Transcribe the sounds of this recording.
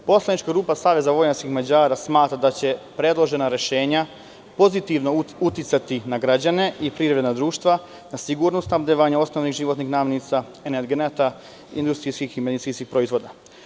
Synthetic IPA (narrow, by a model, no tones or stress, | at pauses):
po̞slˠanit͡ʃkaɡɾuːpasaːʋe̞zaʋo̞jɲat͡ʃkixmad͡ʑaːɾasmaːt̪ɾad̪at͡ɕe̞pɾe̞d̪lˠo̞ʒe̞naɾe̞ʃe̞ːɲa | po̞zit̪iʋno̞ut̪it̪sat̪inaɡɾad͡ʑane̞ʔipɾiːɾɾe̞d̪nad̪ɾuːʃt̪ʋa | nasiɡuɾnosamd̪eʋaːɲao̞sno̞ʋniɣʒiʋot̪nixnaːmjenit̪sa | eneɾɡenet̪a | ḭnd̪ust̪ɾiskiximed̪it̪iːnskixpɾo̞izʋo̞d̪a